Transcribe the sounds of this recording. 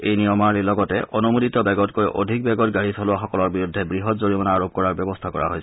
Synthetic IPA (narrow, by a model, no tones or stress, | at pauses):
ejnijɔmaɹlilɔɡɔtɛ̰ʔɔnumuditɔbɛɡɔtkojʔo̰dʱik̚bɛɡɔtɡaɹisʰɔlʊwaxɔkɔlɔɹbiɹudʱːɛbɹiɦɔtzoɹimɔnaːɹob̚kɔɹaɹbjɛbɔstʰakɔɹʔa̰ɦo̰js